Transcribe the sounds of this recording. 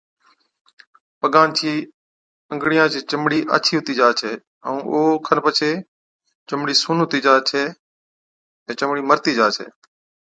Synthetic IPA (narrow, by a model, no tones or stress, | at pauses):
pəɠaːnt͡ʃʰiː | əŋɡɽijãːt͡ʃʰiːt͡ʃəmɽiːʔa̰ːt͡ʃʰiːɦʊt̪iːd͡ʒaːt͡ʃʰeː | ə̰̃ːʔoːkʰənpət͡ʃʰeː | t͡ʃəmɽiːsuːnɦʊt̪iːd͡ʒaːt͡ʃʰeː | ẽːt͡ʃəmɽiːməɾt̪iːd͡ʒaːt͡ʃʰḛː